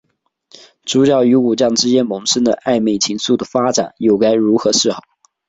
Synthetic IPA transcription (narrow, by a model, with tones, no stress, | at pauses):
ʈ͡ʂu˧˥t͡ɕjɑ˥˩ʊy˧˥u˨˩t͡ɕjɑ˥˩ŋʈ͡ʂɻ̩˥t͡ɕjɛ˥nmɤ˧˥ŋʂə˥ŋd̪ə˨ʔa˥˧ɪme˥˩ɪt͡ɕʰi˧˥ŋsu˥˩d̪ə˩fa˥ʈ͡ʂa̰˨˩˦njo˥˩ʊka˥ɪɻu˧˥xɤ˧˥ʂɻ̩˥˩xɑ˨˩˦ʊ